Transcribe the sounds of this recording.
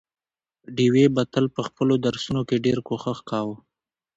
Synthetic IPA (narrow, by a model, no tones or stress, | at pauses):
ɖiwebat̪əlpəxpəlod̪aɾsunokeɖeɾkoxaxkɑwə